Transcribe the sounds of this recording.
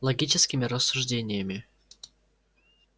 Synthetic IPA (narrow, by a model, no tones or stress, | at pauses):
lˠɐɡʲit͡ɕɪskʲɪmʲɪɾəsːʊʐdʲenʲɪjəmʲɪ